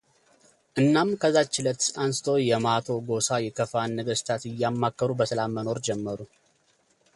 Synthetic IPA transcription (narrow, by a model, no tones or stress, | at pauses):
ʔɨnːamkʰəzat͡ʃːɪlət̪ansɨ̥t̪ʰo̞jɛmat̪ʰo̞ɡo̞sajɛkʰəfanːəɡəst̪ʰat̪ɨjːamːakːəɾubəsəlamːəno̞ɾd͡ʒɛmːəɾu